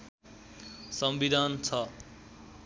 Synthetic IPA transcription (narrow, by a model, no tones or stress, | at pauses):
sʌmbid̪ʱant͡sʰʌ